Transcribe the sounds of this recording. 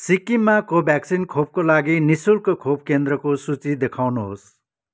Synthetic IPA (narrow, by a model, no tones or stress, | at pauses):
sikimakobʱɛksinkʰob̚kolaɡinisulkokʰob̚kend̪ɾʌkosut͡sid̪ekʰawnuɦo̰s